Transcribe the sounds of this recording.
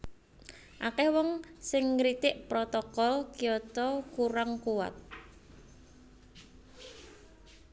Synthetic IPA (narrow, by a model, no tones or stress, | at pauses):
ʔakɛhwɔŋsɪŋɾit̪ɪʔpɾɔt̪ɔkɔlkijɔt̪ɔkuɾaŋkuwa̰t̪̚